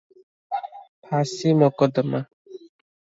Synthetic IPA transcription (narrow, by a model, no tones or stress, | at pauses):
pʰasimɔkɔd̪əma